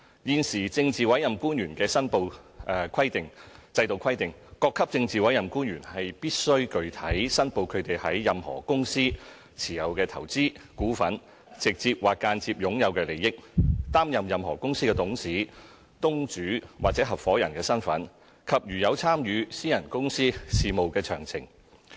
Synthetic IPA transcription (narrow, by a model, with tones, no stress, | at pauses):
jiː˨nsiː˨˩t͡sɪ˧ŋt͡siː˨wɐ˨˥jɐ˨mkuː˥nɥyː˨˩nkɛː˧sɐ˥npo˧wkʷʰɐ˥jt̪ɪ˨ŋt͡sɐ˧jt̪o˨wkʰɐ˥jt̪ɪ˨ŋ | kɔː˧kʰːɐ˥p̚t͡sɪ˧ŋt͡siː˨˩wɐ˨˥jɐ˨mkuː˥nɥyː˨˩nhɐ˨jpiː˥t̚sɵ˥ɥkɵ˧ɥt̪ʰɐ˨˥jsɐ˥npo˧wkʰɵ˨˧ɥt̪e˨jhɐ˨˥jːɐ˨mhɔ̰ː˨˩kʊ˥ŋsiː˥ | t͡sʰiː˨˩jɐ˨wkɛː˧t̪ʰɐ˨˩wt͡siː˥kuː˨˥fɐ˨˥n | t͡sɪ˨k̚t͡siː˧p̚waː˨kːaː˧nt͡siː˧p̚jʊ˨˥ŋjɐ˨˧wkɛː˧le˨˩jɪ˥k̚t̪aː˥mjɐ˨mjɐ˨mɦɔː˨˩kʊ˥ŋsiː˥kɛː˧t̪ʊ˨˥ŋsiː˨˥ | t̪ʊ˥ŋt͡ʃyː˨˥waː˨k̚t͡sɛː˨˥ɦɐ˨˩p̚fɔː˨˥jɐ˨˩nkɛː˧sɐ˥nfɐ̰˨˥n | kʰɐ˨p̚jyː˨˩jɐ˨˧wt͡sʰaː˥mjyː˨˧siː˥jɐ˨˩nkʊ˥ŋsiː˥siː˨mo˨wkɛː˧t͡sʰœ̰ː˨˩ŋt͡sʰɪ˨˩ŋ